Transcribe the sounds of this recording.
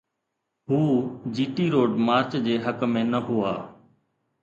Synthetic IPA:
ɦuːd͡ʒiːʈiːɾoːɖmaːɾt͡ʃd͡ʑeːɦəkmẽːnəɦʊa̰ː

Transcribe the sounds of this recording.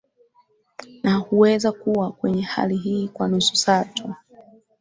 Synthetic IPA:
nahuwɛzakuwakwɛɲɛha̰liɦiːkwanusu̥satu

